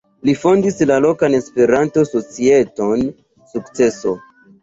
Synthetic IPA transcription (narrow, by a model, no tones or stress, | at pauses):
lifo̞ndislalo̞kane̞spe̞ɾanto̞so̞t͡sie̞to̞n | sukt͡se̞so̞